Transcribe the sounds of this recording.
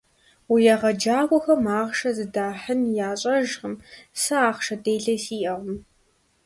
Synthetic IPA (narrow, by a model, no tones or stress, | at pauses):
wʊjaʁɐd͡ʒaːkʷʼɔxɐmaːʁʃɐzɨdaːħənjaːɕʼɐʒʁəmsɐaːχʃɐdeːɮɐsiːʔɐʁəm